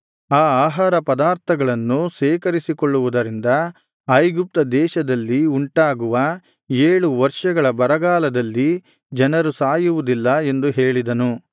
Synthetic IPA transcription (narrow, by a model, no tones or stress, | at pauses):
aːaːɦaːɾɐpɐd̪aːɾt̪ʰɐɡɐɭɐnːusɛːkɐɾisikoɭːuʋud̪ɐɾind̪ɐ | ɐjɡup̚t̪ɐd̪ɛːʃɐd̪ɐlːiuɳʈaːɡuʋɐ | eːɭuʋɐɾʂɐɡɐɭɐbɐɾɐɡaːlɐd̪ɐlːi | d͡ʒɐnɐɾusaːjuʋud̪ilːɐe̞nd̪uɦe̞ːɭid̪ɐnu